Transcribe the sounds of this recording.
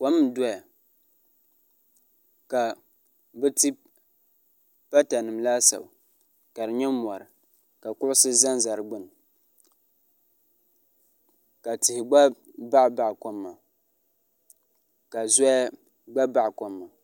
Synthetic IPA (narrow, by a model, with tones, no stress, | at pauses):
kɔ˦m˦˨˦dɔ˦a˨ | ka˨ | bɛ˦ti˦ | pa˦ta˨nɨ˨mlaː˦sa̰˨ba˨ | ka˨ɾɨ˨ɲɛ˦m˨ɔ˨ɾɨ˨ | ka˨kʊ˦ʔʊ˦sɨ˦za˦nza˨ɾɨ˨ɡ͡bɨ˦n˨ | ka˨tɪ˨hɪ˨ɡ͡ba˦ | ba˦ʔba˨ʔkɔ˦mːa˨ | ka˨zɔ˦ja˦ | ɡ͡ba˦ba˦ʔkɔ˦mːa˨